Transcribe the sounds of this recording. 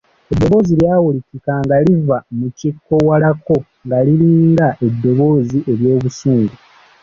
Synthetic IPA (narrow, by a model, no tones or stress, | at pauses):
e̞d̪ːo̞βo̞ːziljaːwulikikaŋɡalivamucikːo̞walako̞ | ŋɡaliliːŋɡaʔe̞dːo̞βo̞ːziʔe̞βjo̞ːβusuːŋɡu